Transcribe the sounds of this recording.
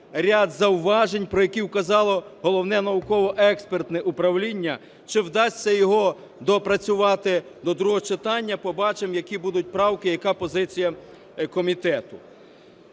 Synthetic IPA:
ɾʲad̪zɐwʋɑʒenʲpɾɔjɐkʲiwkɐzɑlˠɔɦɔlˠɔwnɛnɐʋʊkɔʋɔʔɛkspert̪nɛʔupɾɐwlʲinʲːɐ | t͡ʃɪwd̪ɑsʲːɐjɔɦɔ | d̪ɔpɾɐt͡sʲʊʋɑt̪ɪd̪ɔd̪ɾuɦɔt͡ʃɪt̪ɑnʲːɐpɔbɑt͡ʃemjɐkʲibud̪ʊt̚ʲpɾɑwkɪjɐkɑpɔzɪt͡sʲijɐ | kɔmʲit̪ɛt̪ʊ

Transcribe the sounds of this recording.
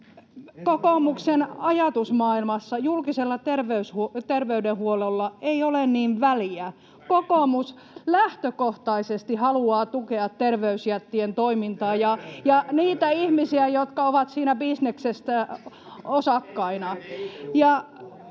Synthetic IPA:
kokoˑmuksenɑjɑt̪usmɑːilmɑsːɑjulkiselːɑt̪erʋeyshut̪erʋeydehuolelːɑeiolenniːʋʋæliæ | kokomus | læht̪økoht̪ɑisest̪ihɑluɑːt̪ukeɑt̪terʋeysjæt̪ːient̪oimint̪ɑːjɑjɑniːt̪æihmisiæjot̪kɑoʋɑt̪siːnæbisneksest̪æ | osɑkːɑinɑjɑ

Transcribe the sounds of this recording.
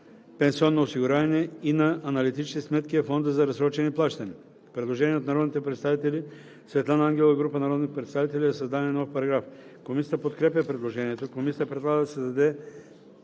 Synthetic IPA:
pɛ̃nsiɔnːoːsiɡʊɾanɛinɐʔːnɐlit̪it͡ʃsismɛt̪kʲiɛfɔnd̪əzɐɾɐzɾɔt͡ʃɛniplˠaʃt̪ɐni | pɾɛd̪lˠoʒɛniɛot̪nɐɾɔd̪nit̪ɛpɾɛt̪st̪avit̪ɛli | svɛt̪lˠanɐaŋɡʲɛlˠəɡɾupənɐɾɔd̪nixpɾɛt̪st̪avit̪ɛlʲiɛsɐzd̪anɛnɔfpɐɾɐɡɾafkomisit̪əpot̪kɾɛpjəpɾɛd̪lˠoʒɛniɛt̪okomisʲit̪əpɾɛd̪lˠaɡəd̪ɐsɛzd̪ɐd̪ɛ

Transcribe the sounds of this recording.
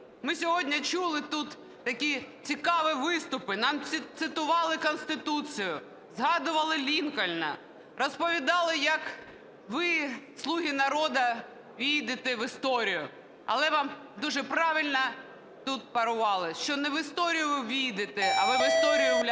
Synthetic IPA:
mɪsʲɔɦɔdʲnʲɐt͡ʃulˠɪt̪ut̪ː | ɐkʲit͡sʲikɑʋɪʋɪst̪ʊpɪnɑmʲt̪sɪt̪ʊʋɑlˠɪkɔnst̪ɪt̪ut͡sʲijʊ | zɦɑd̪ʊʋɐlˠɪlʲinkɔlʲnɐ̰ | rɔspɔʋʲid̪ɑlˠɪjɐk | ʋɪslˠuɦʲinɐɾɔd̪ɐ | ʋʲijd̪ɪt̪ɛʋɪst̪ɔɾʲijʊ | ɐ̰lˠɛʋɑm | d̪uʒɛpɾɑʋʲilʲnɐ | t̪ut̪̚pɐɾʊʋɑlˠɪʃt͡ʃɔnɛʋɪst̪ɔɾʲijʊʋʲijd̪ɪt̪ɪɐʋɪʋɪst̪ɔɾʲijʊ

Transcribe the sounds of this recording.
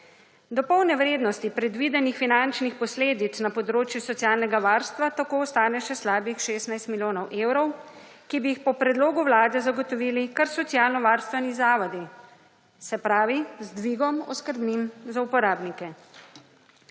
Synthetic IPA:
d̪ɔpɔwnɛʋɾeːd̪nɔst̪ipɾɛd̪ʋid̪ɛnixfinant͡ʃnixpɔsleːd̪it̪snapɔd̪ɾoːt͡ʃjusɔt̪sjaːlnɛɡaʋaːɾst̪ʋat̪akoːɔst̪aːnɛʃɛslaːbixʃeːsnajst̪miljoːnɔwʔeːwɾɔw | kibijixpɔpɾɛd̪loːɡuwlaːd̪ɛzaɡɔt̪ɔʋiːlikɐɾsɔt̪sijaːlnɔʋaːɾst̪ʋɛnizaːʋɔd̪i | sɛpɾaːʋizd̪ʋiɡɔmɔ̰skəɾbninzaupɔɾaːbnikɛ

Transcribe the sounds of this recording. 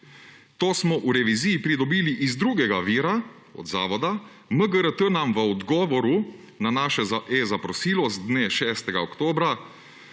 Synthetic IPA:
t̪oːsmɔʔuɾɛʋizijipɾid̪ɔbiːliʔizd̪ɾuːɡɛɡaʋiːɾa | ɔ̰d̪zaːʋɔd̪a | məɡəɾət̪ənamʋəɔd̪ɡɔːʋɔɾu | nanaːʃɛʔezapɾɔsiːlɔzd̪neːʃɛːst̪ɛɡaɔkt̪oːbɾa

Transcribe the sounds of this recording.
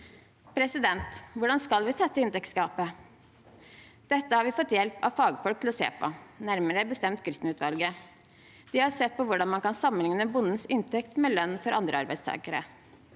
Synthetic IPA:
pʰɾɛsɪd̪ɛnt̪ʋʊɖɑnskɑlʋɪt̪ʰɑt̪ːəɪnt̪ɛkskɑːpə | d̪̥ɛt̪ːəhɑɾʋɪfɔt̪ːjɛlpɑ̰ʋfɑːɡfɔlk̚t̪l̩ɔsḛːpʰɔnæɾməɾəbəst̪ɛmt̪ɡɾʏt̪n̩ʉːt̪ʰʋɑlɡə | d̪̥ɪhɑɾsɛt̪̚ːpʰɔʋʊɖɑnmɑnkɑnsɑmːəlɪŋnəbʊnːən̩sɪnt̪ʰɛkt̪mɛlœnːfɔɾʔɑnd̪ɾə̰ɑ̰ɾbæɪd̪st̪ʰɑ̰ːɡəɾə̰

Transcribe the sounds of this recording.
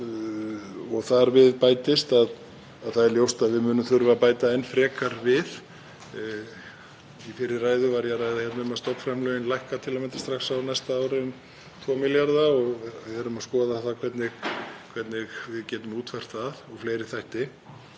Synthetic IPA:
ɔɣθaɾvɪðpaːjt̪ɪst̪aðː | ðθaðɛɾljowst̪aðvɪðmʏːnʏmθʏɾvapaːjt̪aɛnfɾɛːkaɾvɪð | ifɪɾɪraːjðʏvaɾjaraːjðaçɛt̪naʏmast̪ɔwkfɾamlœːɣɪnlajhkat̪ʰɪlamɛnt̪ɪ̥st̪ɾaxsawnajst̪aaːwɾɪn | t̪ʰvɔːmɪljaɾðaɔɣɛɾʏmaðskɔːðaθakʰvɛt̪nɪɣkʰv̥ɛt̪nɪɣvɪðcɛːt̪ʏmuːt̪ʰfɛr̥t̪aðɔɣfleːjɾɪθajht̪ɪ

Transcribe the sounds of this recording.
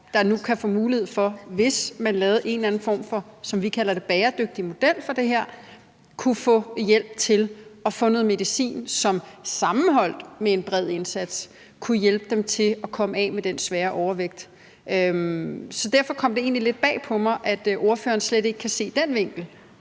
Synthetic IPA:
d̥ɑ̈nukʰæfɔ̰̽ːmuːlihe̝ð̞̰ˠfɒ̽ʋe̝smænlɛːʊð̩ˠʔe̝nlæn̩fɒ̰ːmfɒ̽sɒ̽mʋikʰæl̰ɐd̥e̝b̥ɛːɐd̥øɡ̥̚d̥imo̝d̥el̰fɒ̽d̥e̝ɦeɐ̰ | kʰufɔ̰̽ːjel̰b̥̚t͡sʰe̝lɒ̽fɔ̽noð̩ˠme̝ðˠisḭːnsɒ̽msɑ̈mn̩ɦɒ̽l̰d̥mee̝nb̥ʁɛð̰ˠe̝nsæd̥s | kʰujelb̥əd̥emt͡sʰe̝ɒ̽kʰɒ̽məɛ̰ːmed̥ensʋɛːɐʔɒʊɐʋeɡ̥̚d̥ | ømsɒ̽d̥æɐfɒ̽kʰɒ̽m̰d̥e̝e̝̰ːnlile̝d̥̚b̥ɛ̰ːpʰɒ̽mɑ̈ɪʔæd̥ʔo̝ɐfø̰ːɐnsled̥e̝ɡ̥ə̥kʰæse̝̰ːd̥enʋe̝ŋ̰ɡ̥l̩

